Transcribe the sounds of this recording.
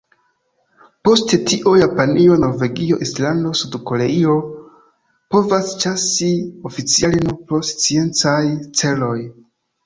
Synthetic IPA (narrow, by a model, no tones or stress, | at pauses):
po̞stetʰiʔojapanio̞no̞ɾve̞ɡio̞ʔislando̞sudko̞leio̞ | po̞vast͡ʃasio̞fit͡sialinopɾo̞st͡sie̞nt͡sajt͡se̞lo̞j